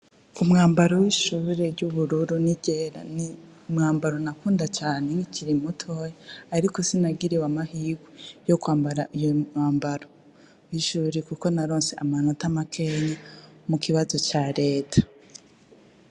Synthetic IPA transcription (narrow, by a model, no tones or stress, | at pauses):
umŋaːmbaɾowiːʃuːɾeɾɟuβuɾuɾuniɟe̞ːɾa̰ni | mŋaːmbaɾonakuːndat͡ʃaːne̞ŋiciɾimutʰo̞jeaɾiko̞sinaɡiɾiwamahiːɡwejokwaːmbaɾaʔijoŋaːmbaɾo | wiʃuɾekuko̞naɾo̞ːnse̞ʔamanotamakʰe̞ɲamukʰiβazo̞t͡ʃaɾe̞ːtʰḁ